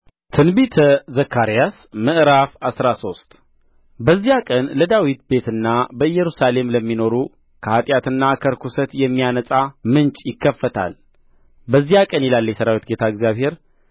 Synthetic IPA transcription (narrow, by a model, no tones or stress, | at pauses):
t̪ʰɨnbit̪ʰəzəkʰːaɾijas | mɨʔɾafasɾaso̞st̪ʼ | bəzːihakʼənləd̪awit̪̚be̞t̪ɨnːabəɨjːɛɾusale̞mləmːino̞ɾu | kʰəhat̪ʼjat̪ɨnːakʰəɾkʰusət̪jɛmːijanəsʼamɨnt͡ʃʼjɪkːəfːət̪ʰa̰l | bəzːihakʼənjɛlalːjɛsəɾawit̪ɡe̞t̪ʰaəɡzjaβhe̞ɾ